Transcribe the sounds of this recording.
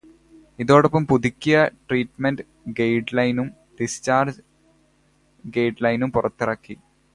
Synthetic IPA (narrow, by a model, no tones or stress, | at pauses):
iðo̞ːɽɐpːɐmpud̪ikʲːijɐʈriːʈmenɖ | ɡejɖlɐjnum | ɖ̥ist͡ɕaːrd͡ʑ | ɡejʈlɐjnumpurɐt̪ːirɐkːi